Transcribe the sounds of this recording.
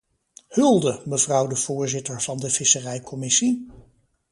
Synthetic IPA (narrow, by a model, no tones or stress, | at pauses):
hɵlˠdəməvrʌwdəv̥ʊːɹzɪtəɹv̥ɑndəv̥ɪsərɛjkʰɔmɪsi